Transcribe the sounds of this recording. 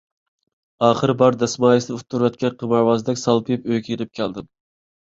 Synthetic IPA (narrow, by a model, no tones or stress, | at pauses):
ɑːχɨɾbɑɾd̪ɛsmɑːjisnɪut̪ʰːuɾvɛt̪̚kʲɛqʰəmɑɾwɑzd̪ɛkʲsɑlˠpʰjpøjkʲeɾɪp̚kʲʰælˠd̪ɪm